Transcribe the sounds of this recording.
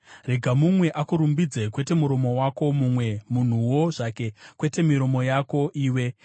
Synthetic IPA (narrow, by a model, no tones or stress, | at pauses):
re̞ɡʱamumwe̞ʔakuɾumbid͡zekwe̞te̞muɾo̞mo̞wako̞mumwe̞mun̤uwo̞ʐ̥ake̞kwe̞te̞miɾo̞mo̞jako̞ʔiːwe̞